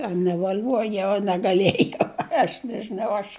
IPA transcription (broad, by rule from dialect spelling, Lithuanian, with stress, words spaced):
ɐ nʲɛʋɐˈlʲuɔjɛʊ ɐ nʲɛɡɐˈlʲiɛjɛʊ ˈɐʃ nʲɛʒʲɪˈnɐʊ ˈɐʃ